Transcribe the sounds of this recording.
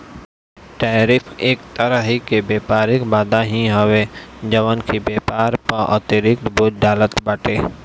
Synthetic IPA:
ʈaːɾɪpʰeːk̚t̪əɾəɦikebeːpaːɾɪkbaːd̪aɦĩɦowed͡ʒɐʋənkʰibeːpaːɾpɐʔɔ̰t̪ɪɾɪk̚t̪boːd͡ʒɖaːlət̪baːʈeː

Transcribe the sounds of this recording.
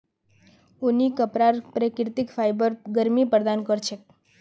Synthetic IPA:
onikəpɾaɾpɾekɾt̪ikfajbəɾɡəɾmipɾd̪ankəɾt͡ʃʰe

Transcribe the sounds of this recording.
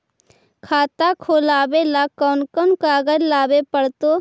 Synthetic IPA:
kʰaːt̪akʰoːlaːbelaːkɔːnkonkaːɡəɾlaːbepəɽt̪oː

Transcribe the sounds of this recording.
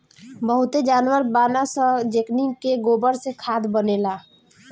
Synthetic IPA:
bəɦut̪ed͡ʒanwəɾbanasə̃d͡ʒeknikeɡobəɾsekʰad̪bənela

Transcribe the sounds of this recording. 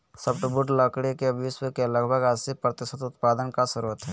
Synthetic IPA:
səb̚ʈbʊʈləkɽekeʋɪʃwəkeləɡbʱəɡəsipɾət̪ɪʃət̪ʊt̪paːd̪ənkasəɾuːət̪ɦɛː

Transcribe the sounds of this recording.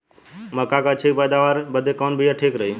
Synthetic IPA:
məkakat͡ʃʰeːkpəjd̪aʋaːɾbəd̪ʱekɔːnbʱijaʈʰeːkɾəi

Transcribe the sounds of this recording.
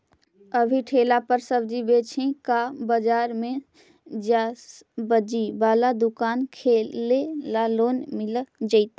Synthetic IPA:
əbʱiʈʰelapəɾsəbd͡ʒibet͡ʃʰẽkabəd͡ʒaːɾmẽ | d͡ʒasbəd͡ʒibaːlad̪ukaːnkʰelelaloːnmɪld͡ʒəɪt̪

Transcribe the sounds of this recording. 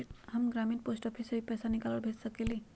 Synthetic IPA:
ʈɦəmɡɾamĩːnposʈɔpʰisəɦipɛːsanikaləɽbʱet̪səkeli

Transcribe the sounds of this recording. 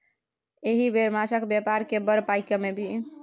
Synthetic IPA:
eɦibeɾmat͡ʃʰəkbjapaɾkebəɾpajkəmebʱi

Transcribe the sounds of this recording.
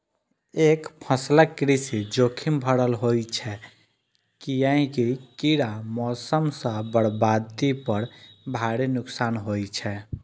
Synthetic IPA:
ekpʰəsləkːɾisid͡ʒokʰimbʱəɽəlɦojt͡ʃʰɛ | kijãĩkikiɾamɔsəmsə̃bəɽbad̪ipəɾbʱaɽenuksanɦojt͡ʃʰɛ

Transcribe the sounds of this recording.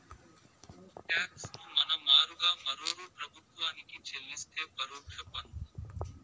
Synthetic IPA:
ʈɛːksnuːmɐnɐmaːɾuɡaːmɐɾoːɾuːpɾɐbʱʊt̪ʋaːnikiːt͡ʃʰelːɪst̪ʰeːpəɾoːpʰɛpːɐnu

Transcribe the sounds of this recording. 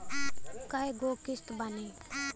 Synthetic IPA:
kaɦeɡoːkɪst̪bane

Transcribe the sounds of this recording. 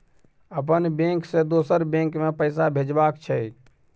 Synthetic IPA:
əp̬ənbẽŋksed̪osəɾbẽŋkmepəjsabʱed͡ʒbakt͡ʃʰəj

